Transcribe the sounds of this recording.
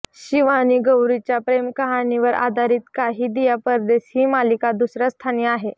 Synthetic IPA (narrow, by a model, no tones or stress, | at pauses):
ɕiʋaniːɡəwɾit͡ɕjapɾemkəɦaniʋəɾa̰d̪ʱaɾiːt̪kaɦiːd̪ijapəɾd̪eɕhiːmalikad̪usɾast̪ʰanijəaɦe